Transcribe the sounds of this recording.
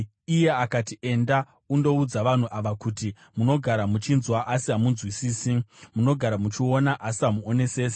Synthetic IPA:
ije̞akatiʔe̞nda | undo̞ud͡zaʋan̤uʔaʋakuti | muno̞ɡʱaɾamut͡ʃinzwaʔasiamunzwisiːsimuno̞ɡʱaɾamut͡ʃio̞naʔasiamuone̞se̞ːs̬e

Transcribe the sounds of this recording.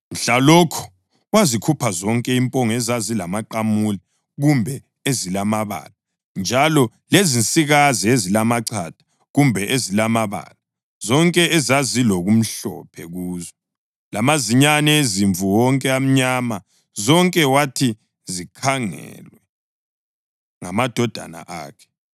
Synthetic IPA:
m̩ɬalɔkʰɔ̥ | wazikʰupʰazɔŋkʼɛimpʼɔŋɛzazilamaǃamuli | ɣumbʱɛ | ezilamaβa̰ːla | nd͡ʒʱalɔ | lezinsʼiɣaziezilamaǀʰad̥ʱḁ | ɣumbʱɛʔezilamaβa̰ːla | zɔŋkʼɛʔɛzazilɔɣum̩ɬɔ̰pʰɛ̰ɣuːzɔ | lamaziɲanɛeziɱvuwɔŋkʼɛam̩ɲama | zɔŋkʼɛwatʰi | zikʰaŋɛ̰lwɛ | ŋamad̥ʱɔd̥ʱa̰na̰ʔa̰ːkʰɛ̥

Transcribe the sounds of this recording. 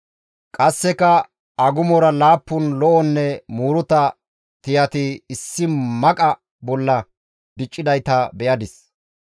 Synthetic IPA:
kʼɐsːɛkɐ | ɐɡʊmɔɾɐlaːpːʊnlɔʔɔnːɛmuːɾʊt̪ɐ | t̪ɪjɐt̪ɪːsːɪmɐkʼɐ | bɔlːɐ | d̪ɪt͡ʃʼːɪd̪ɐjt̪ɐbɛʔɐd̪ɪs

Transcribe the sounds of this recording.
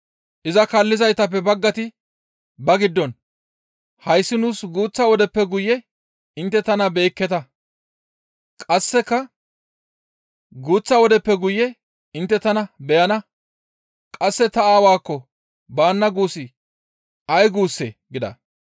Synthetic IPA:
ʔɪzɐkɐlːɪzɐjt̪ɐp̬ːɛbɐɡːɐt̪ɪ | bɐɡɪd̪ːɔn | hɐjsːɪnuːsɡuːt͡sːɐwɔd̪ɛpːɛɡʊjːɛ | ʔɪnt̪ːɛt̪ɐnɐbe̞ːkːɛt̪ɐ | kʼɐsːɛkːɐ | ɡuːt͡sːɐwɔd̪ɛpːɛɡʊjːɛ | ɪnt̪ːɛt̪ɐnɐbɛjɐnɐ | kʼɐsːɛt̪ɐaːwaːkːɔ | baːnːɐɡuːsɪ | ʔɐjɡuːsːeɡɪd̪ɐ̰

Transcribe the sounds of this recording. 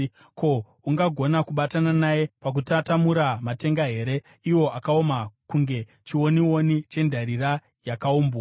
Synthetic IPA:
ko̞ | uŋɡaɡʱo̞nakuɓatananaje̞pak̬utatamuɾamate̞ŋɡaɦe̞ɾe̞ | iwo̞ʔakaomakuŋɡe̞ | t͡ʃiwo̞niwo̞nit͡ʃe̞ndʱaɾira | jakauːmbo

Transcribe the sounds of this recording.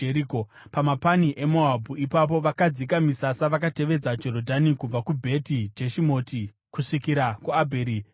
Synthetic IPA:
eɾikopamapaniʔe̞moabʱuipap̬o̞ʋakad͡zikamisasaʋakate̞ʋe̞d͡zad͡ʒo̞ɾo̞dʱanikub͡vakubʱe̞tid͡ʒeʃimo̞ːti | kuʂikiɾakuabʱeːɾi

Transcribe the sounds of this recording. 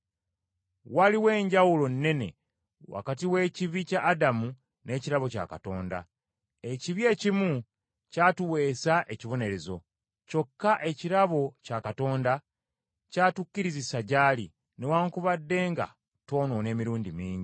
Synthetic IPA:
waliwe̞ːɲɟawulo̞nːe̞ne̞̰ | wa̰katiwe̞ːciβicaʔːdamu | ne̞ːciɾaβo̞ca̰kato̞ːnda̰ | e̞ciβje̞ːcimu | caːtuwe̞ːsaʔe̞ciβo̞ne̞ɾe̞zo̞̰ | co̞kːaʔe̞ciɾaβo̞cakato̞ːnda | caːtucːiɾizisaɟaːlḭ | newaːŋkuβadːe̞ːŋɡa̰ | to̞ːnoːne̞ːmiɾuːndimiːɲɟi

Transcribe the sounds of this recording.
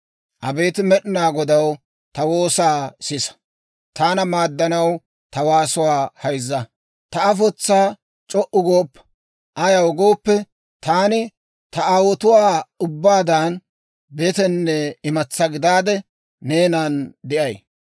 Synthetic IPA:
ʔɐbeːt̪ɪmɛɗɪnaːɡɔd̪ɐw | t̪ɐwo̞ːsaːsɪsɐ̥ | t̪aːnɐmaːd̪ːɐnɐw | t̪ɐwaːsʊwaːhɐjzːɐ | t̪ɐɐfɔt͡sːaː | t͡ʃʼɔʔʊɡoːpːɐ̥ | ʔɐjɐwɡoːpːɛ | t̪aːnɪ | t̪ɐaːwɔt̪ʊwaːʊbːaːd̪an | beːt̪ɛnːɛɪmɐt͡sːɐɡɪd̪aːd̪ɛ | neːnɐnd̪ɪʔɐj

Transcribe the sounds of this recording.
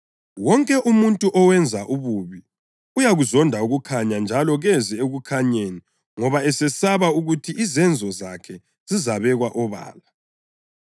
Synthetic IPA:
wɔŋkʼɛʔumuntʼuʔɔwɛnd͡zʱaʔuβuβi | ujaɣuzɔndʱauɣukʰaɲand͡ʒʱalɔɣɛzɛeɣukʰaɲeːni | ŋɔβaɛsɛsaβauɣutʰiʔizɛnd͡zʱɔzakʰɛ | z̥izaβɛɣwaʔɔβa̰ːla

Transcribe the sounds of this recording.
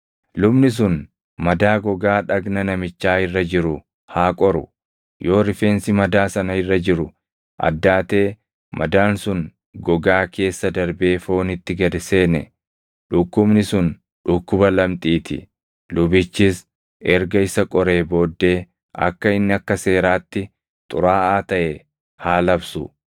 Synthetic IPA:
lʊbnɪs̬ʊn | mɐd̪aːɡɔɡaːᶑɐɡnɐnɐmɪt͡ʃːaːɪrːɐd͡ʒɪɾʊ | haːkʼɔɾʊ̰ | jo̞ːɾɪfe̞ːnsɪmɐd̪aːsɐnɐɪrːɐd͡ʒɪɾʊ | ʔɐ̰d̪ːaːt̪e̞ː | mʔɐd̪aːnsʊn | ɡɔɡaːkʰe̞ːsːɐd̪ɐɾbe̞ːfo̞ːnɪt̪ːɪɡɐd̪ɪse̞ːnɛ̰ | ᶑʊkːʊbnɪsʊn | ᶑʊkːʊbɐlɐmt̪ʼiːt̪ɪ̰ | lʊbɪt͡ʃːis | ɛɾɡɐɪsɐkʼɔɾe̞ːbo̞ːd̪ːe̞ː | ɐ̰kːɐɪnːɪɐkːɐse̞ːɾaːt̪ːɪ | t̪ʼʊɾaːaːt̪ɐʔe | haːlɐbsʊ̰

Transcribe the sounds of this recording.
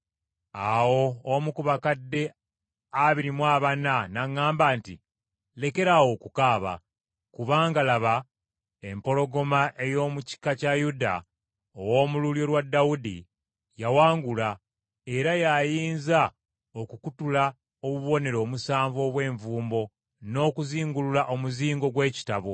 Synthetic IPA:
awo̞ːmukuβakadːe̞ | aβiɾimwaːβananaŋːaːmbaːntḭ | le̞ke̞ɾawo̞kukaːβa̰ | kuβaːŋɡalaβa | e̞mpo̞lo̞ɡo̞maʔe̞jo̞ːmuci̥kacajuda̰ | owo̞ːmululjo̞lwadːawudḭ | jawaːŋɡula | e̞ɾajajiːnza | o̞kukutula | oβuβuβo̞ne̞ɾo̞ːmusaːɱvo̞ːβwe̞ːɱvuːmbo̞ | no̞ːkuziːŋɡululaʔo̞muziːŋɡo̞ɡwe̞ːci̥taβo̞

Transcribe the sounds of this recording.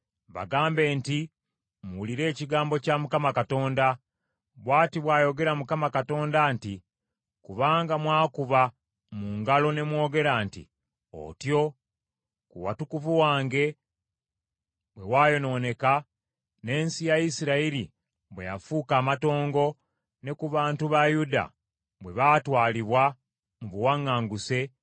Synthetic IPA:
βa̰ɡaːmbe̞ːnti | muwuliɾe̞ːciɡaːmbo̞camukamakato̞ːnda | βwaːtiβwaːjo̞ɡe̞ɾamukamakato̞ːndanti | kuβaːŋɡamwaːkuβa | muŋɡalo̞ne̞mwo̞ːɡe̞ɾaːntḭ | o̞̰tjo̞ | kuwa̰tukuvuwaːŋɡe̞ | βwe̞waːjo̞no̞ne̞ka | ne̞ːnsijajisiɾaiɾi | βwejafuːkaːmato̞ːŋɡo̞ | ne̞kuβaːntuβajuda̰ | βwe̞βatwaːliβwa | muβuwaŋːaːŋɡuse̞

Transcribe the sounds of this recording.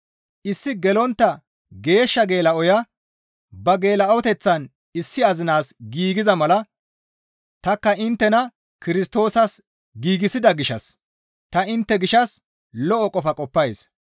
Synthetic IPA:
ʔɪsːɪɡɛlɔnt̪ːɐ | ɡe̞ːʃːɐɡe̞ːlɐɔjɐ | bɐɡe̞ːlɐɐwɔt̪ɛt͡sːɐn | ɪsːɪɐzɪnaːsɡiːɡɪzɐmɐlɐ | t̪ɐkːɐʔɪnt̪ːɛnɐ | kɪɾɪst̪o̞ːsɐs | ɡiːɡɪsɪd̪ɐɡɪʃɐ̰s | t̪ɐɪnt̪ːɛɡɪʃɐs | lɔʔɔkʼɔfɐkʼɔpːɐjs

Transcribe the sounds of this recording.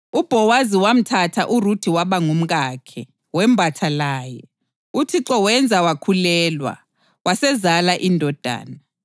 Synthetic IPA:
ub̥ʱɔwaziwam̩tʰatʰaʔurud̥ʰʱiwaβaŋum̩ɣakʰɛ | wɛm̩bʱatʰalaːjɛ | utʰiǁɔwɛnd͡zʱawakʰulɛːlwa̰ | wasɛzalaʔindʱɔd̥ʱa̰ːna

